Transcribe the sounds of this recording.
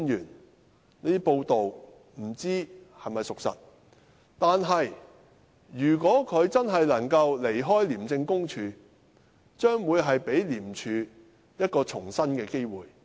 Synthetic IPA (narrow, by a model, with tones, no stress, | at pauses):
njyː˨˩n | neː˥po˧wt̪o˨w | m̩˨˩t͡siː˥ | hɐ˨jmɐ˨jsʊ˨k̚sɐ̰˨t̚ | t̪aː˨nɦɐ˨j | jyː˨˩kʷɔː˨˥kʰɵ˨˧ɥt͡sɐ˥nɦɐ˨jlɐ˨˩ŋkɐ˧wle˨˩jɦɔː˥jliː˨˩mt͡sɪ˧ŋkʊ˥ŋt͡ʃʰyː˨˧ | t͡ʃœː˥ŋwuː˨˧jɦɐ˨jpe˨˥jliː˨˩mt͡ʃʰyː˨˧ | jɐ˥t̚kɔː˧t͡ʃʰʊ˨˩ŋsɐ˥nkɛː˧ke˥jwuː˨j